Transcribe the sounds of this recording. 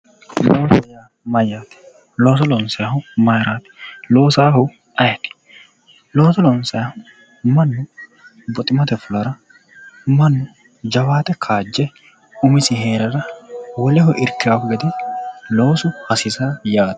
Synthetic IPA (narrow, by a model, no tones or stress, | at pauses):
loːsɐjaː | mɐjaːt̪ɛ̥ | loːs̬ɔlɔnsɐhʊmɐjɾaːt̪ɪ̥lo̞ːsaːhʊ | ʔɐjɐt̪ɪ̥ | loːsɐlɔnsɐjɐhʊ | mɐnːʊ | bɔt̪ʼɪmɐt̪ɛfʊlɐɾɐ | mɐnːʊ | d͡ʒɐwaːt̪ɛkʰaːd͡ʒːɛ | ʊmɪsɪɦeːɾɐɾɐwɔlɛɦɔʔɪɾkɪafɡɐd̪ɛlo̞ːsʊhɐsɪsaːjaːt̪